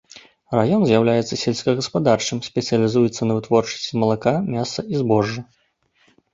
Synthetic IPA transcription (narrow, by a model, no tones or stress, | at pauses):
rajɔnzʲjawlʲajɛt̪sɐsʲelʲsʲkɐɣɐspad̪art͡ʂɨmsʲpʲɛt̪sɨjɐlʲizujɛt̪sːɐnɐvɨt̪vɔrt͡ʂɐ̥sʲt͡sʲimɐlˠakamʲasɐʔizbɔʐːɨ